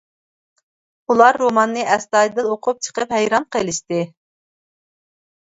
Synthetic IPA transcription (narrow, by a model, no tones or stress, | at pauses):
ulˠɑɾːomɑnːɨʔɛst̪ɑd̪ɨloqʰʊp̚t͡ʃʰə̥qəphɛjɾɑmqʰelˠɪʃt̪ɪ